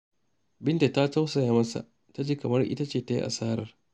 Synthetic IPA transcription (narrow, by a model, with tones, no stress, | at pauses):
bɪ˦nta˨ta˦ta˦wsɐ˨jaː˨˦mɐ˦sa̰˨ʔ | ta˦d͡ʒiː˦kɐ˨mɐ˦rʔɪ̰˦ta˦t͡ʃeː˦˨ta˦jḭ˦ʔa̰˨saː˦ɾɐ˨r